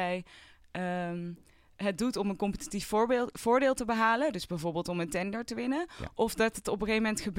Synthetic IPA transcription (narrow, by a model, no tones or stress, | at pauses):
ɛj | ə | ɦət̚dutɔmənkɔmpətitifɹbv̥ʊːɹdeːlˠtəbəɦaːlədɵzbɛjvoːɹbeːlˠtɔməntɛndəɹtəʋɪnə̰ʔɔfdɑtətɔpəχejmɛntχəb